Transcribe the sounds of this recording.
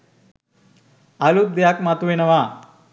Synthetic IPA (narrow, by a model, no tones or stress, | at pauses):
alut̪̚d̪ejakmat̪uʋenəʋa